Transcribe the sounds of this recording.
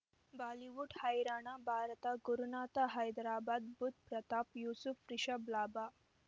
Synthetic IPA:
baːliʋuʈhajɾaːɳ̃abʱaɾt̪aɡuɾunaːt̪aɦajd̪ɾaːbad̪̚but̪̚pɾɐt̪apjusufːɾiɕəblaːba

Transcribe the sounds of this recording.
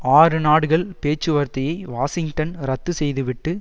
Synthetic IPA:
aːɾɯnaːɽɯɣɐɭpeːt͡ʃːɯʋɐɾt̪ɐjɐɪʋaːsɪŋɡʈɐnɾɐt̪ːɯsɛjðɯʋɪʈːɯ

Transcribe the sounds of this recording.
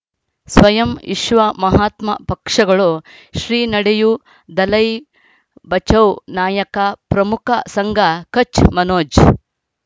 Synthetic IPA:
sʋɐjɐmḭʃʋɐmɐɦaːt̪mɐpɐkʂɐɡɐɭo | ʃɾiːnɐɽeju | d̪ɐlɐj | bɐt͡ʃɐwnaːjɐkɐpɾɐmukʰɐsɐŋɡʱɐkɐt͡ʃmɐnoːd͡ʒ

